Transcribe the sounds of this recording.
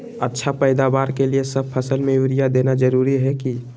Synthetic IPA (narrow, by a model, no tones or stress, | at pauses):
ətːʃʰapəɪd̪abaːɾkeliesəb̚pʰəsəlmẽjuɾijad̪enad͡ʒəɾuɾiɦɛki